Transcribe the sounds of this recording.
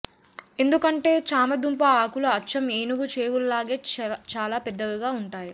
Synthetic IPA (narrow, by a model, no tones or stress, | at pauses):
e̞nd̪ukɐɳʈe̞ːt͡ʃaːmɐd̪umpɐaːkuluɐt͡ʃːɐmeːnuɡut͡ʃeːwullaːɡe̞ːt͡ʃaːlaːpɛd̪ːɐʋiɡaːuɳʈaːju